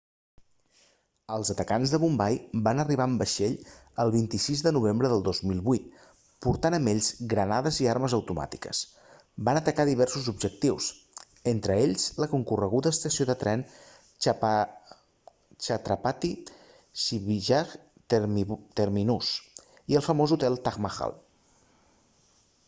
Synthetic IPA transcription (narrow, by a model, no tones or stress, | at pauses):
əlˠzət̪əkanzðəβumbajbanəriβ̞aəmbəʃeʎ | əlˠβ̞int̪isizðənuβ̞embɾəðəlˠd̪ozmilˠβuit̪̚ | puɾt̪anəmeʎzɡɾənaðəziaɾməzəwt̪uma̰t̪i̥kə̰s | banət̪əkaðiβ̞ɛrsuzubʒək̚t̪iws | ent̪ɾəeʎzləkuŋkurəɣuðəːst̪əsioðət̪ɾɛn | t͡ʃat̪ɾapat̪i | siβiʒak | t̪əɾminus | iəlˠfəmozut̪ɛlˠt̪aɣmaxa̰lˠ